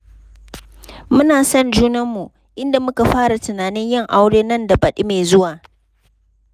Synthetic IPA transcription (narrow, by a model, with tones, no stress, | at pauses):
mʊ˦naː˨sɐ˦nd͡ʒuː˦nɐ˦mːu˨ | ʔɪ˦nda˨mʊ˦ka˨ɸaː˦ɽa˨tʊ˨naː˨nɪ˦ɲjɪ˦ŋʔa˦wɽeː˦nɐ˦nda˨bɐ˨ɗi˦meː˨zʊ˦waː˨